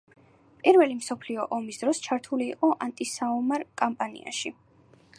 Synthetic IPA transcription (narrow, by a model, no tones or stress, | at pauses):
pʼiɾvɛlimsɔpʰliɔʔɔmisd̪ɾɔst͡ʃʰaɾt̪ʰuliːqʼɔʔant̪ʼisaɔmaɾkʼampʼanḭa̰ʃi